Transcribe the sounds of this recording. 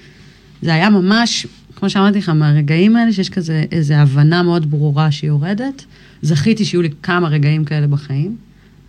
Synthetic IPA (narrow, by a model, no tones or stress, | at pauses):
zeajamamaʃ | kmo̞ʃeamaʁt̪̬iχameaʁe̞ɡaimaeleʃejeʃkazeʔeze̞avanameo̞dbʁuʁaʃejoʁe̞de̞t | zaχitiʃjulikamaʁe̞ɡaimkae̞le̞baχaim